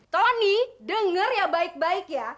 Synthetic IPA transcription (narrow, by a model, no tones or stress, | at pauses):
t̪onidəŋərjabaɪk̚baɪkja